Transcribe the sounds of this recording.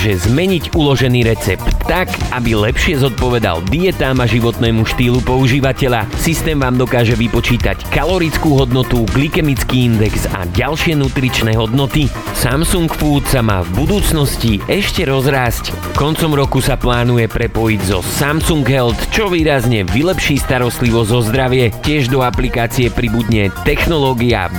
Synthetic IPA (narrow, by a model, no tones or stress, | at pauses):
ʒɛzmɛɲiɟulɔʒɛniːɾɛt͡sɛp̪ːakabilɛpʃɪɛzɔt̪̚pɔʋɛd̪a̰ld̪iɛt̪aːmaʒiʋɔt̪nɛːmuʃt̪iːlupɔuʒiːʋacɛʎasist̪ɛːmʋaːmd̪ɔkaːʒɛʋipɔt͡ʃiːt̪a̰ckalɔɾit͡skuːɦɔd̪nɔt̪uɡlikɛmit͡skiːind̪ɛksa̰ɟalʃɪɛnut̪ɾit͡ʃnɛːɦɔd̪nɔt̪i | samsuŋkfuːt̪sama̰ːvbud̪uːt͡snɔsciʔɛʃcɛɾɔzɾaːsc | kɔnt͡sɔmɾɔkusaplaːnujɛpɾɛpɔjiɟzɔsamsuŋɡɦɛlt̪t͡ʃɔʋiːɾazɲɛʋilɛpʃiːst̪aɾɔst̪liʋɔzzɔzd̪ɾaʋɪɛcɪɛʒd̪ɔaplikaːt͡siɛpɾibud̪ɲɛt̪ɛxnɔlɔːɡia̰